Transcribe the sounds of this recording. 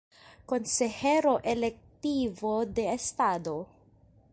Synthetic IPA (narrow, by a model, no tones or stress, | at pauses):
ko̞nseheɾo̞ʔelek̚t̪ivode̞ːst̪ado̞